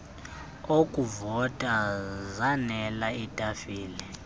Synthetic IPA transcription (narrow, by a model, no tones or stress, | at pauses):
okʼuvɔtʼazanɛlaitʼafiːlɛ